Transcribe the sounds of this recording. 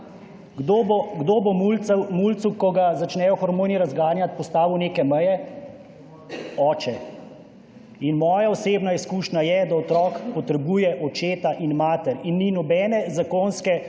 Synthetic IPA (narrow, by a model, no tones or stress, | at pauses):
oɡd̪oːbomulmult̪sukɔɡazat͡ʃnɛːjɔxɔɾmoːniɾazɡaːɾnjat̪̚pɔst̪aːʋiwneːkɛməjɛ | ɔːt͡ʃɛ | inmɔːjaɔseːbnaiskuːʃnajɛd̪aɔt̪ɾɔːkpɔt̪ɾɛbujɛʔɔt͡ʃeːt̪aʔinmaːt̪ɛɾinːinɔbɛːnɛzakoːnskɛ